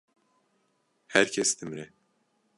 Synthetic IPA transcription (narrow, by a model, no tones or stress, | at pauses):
hæɾcʰɛst̪ʰimɾɛ